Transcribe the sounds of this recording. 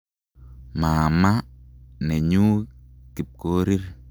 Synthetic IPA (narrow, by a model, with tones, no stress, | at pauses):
maː˨ma˦nɛ˨ɲuː˦ki˨p̚koː˦ɾi˦ɾ